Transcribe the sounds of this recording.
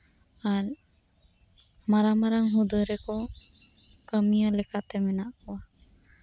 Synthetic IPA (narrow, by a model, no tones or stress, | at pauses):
aɾ | maɾamaɾaŋɦud̪ɔɾɛkɔ | kəmijəlɛkat̪ɛmɛnaʔkɔwa